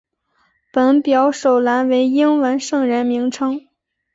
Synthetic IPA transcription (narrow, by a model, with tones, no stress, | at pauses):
pə˨˩npjɑ˧˥ʊʂo˨˩ʊla˧˥nwe˧˥ɪi˥ŋwə˧˥nʂɤ˥˩ŋɻə˧˥nmi˧˥ŋʈ͡ʂʰɤ˥ŋ